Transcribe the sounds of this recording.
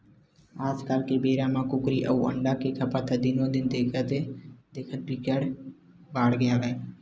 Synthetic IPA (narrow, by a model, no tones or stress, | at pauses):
aːd͡ʒkaːlkebeːɾãmãkʊkɾiʔə̰uə̰̃ɳɖakekʰəpat̪ʰad̪ɪnõd̪ɪnd̪eːkʰət̪ed̪eːkʰət̪̚ikəɽ | baːɽɡəjaːʋɛ